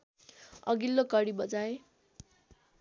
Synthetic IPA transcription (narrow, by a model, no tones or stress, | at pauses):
ʌ̰ɡilːokʌɽibʌd͡zae